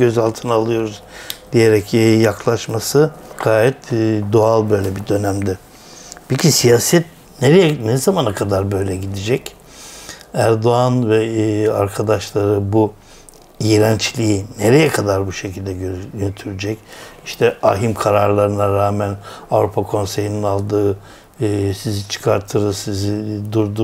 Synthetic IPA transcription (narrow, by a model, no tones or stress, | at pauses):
ø̞zalˠt̪ʰɯnaalˠɯjo̞ɾuzd̪ijeɾɛcːjakʰlˠaʃmasɯɡ̥aːjɛt̪ːd̪oalˠbø̞jlʲɛbid̪ø̞næmd̪ɪ | pʰɛcʰisijaːsɛt̪̚ | neɾɛjɛnɛzamanakʰad̪aɾbø̞jlʲɛɟid̪id͡ʒɛc | æɾd̪o̞anvɛaɾkʰad̪aʃlˠaɾɯbu | ijiɾænt͡ʃʰlʲijineɾɛjɛkʰad̪aɾbuʃe̞cʰilʲd̪ɛøjønyt̪ʰyɾyd͡ʒɛciʃt̪ʰɛaɦimkʰaɾaɾlˠaɾɯnaɾaːmænavɾupʰakʰo̞nse̞jininalˠd̪ɯː | sizit͡ʃʰɯ̥kʰaɾt̪ʰɯɾɯsizid̪uɾd̪u